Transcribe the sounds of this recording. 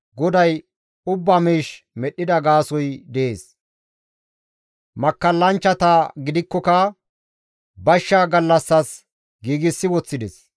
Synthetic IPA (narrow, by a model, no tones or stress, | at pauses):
ɡɔd̪ɐj | ʊbːɐmiːʃ | mɛɗːɪd̪ɐɡaːsɔjd̪ɛʔḛːs | mɐkːɐlːɐnt͡ʃːɐt̪ɐɡɪd̪ɪkːɔkɐ | bɐʃːɐɡɐlːɐsːɐs | ɡiːɡɪsːɪwɔt͡sːɪd̪ɛs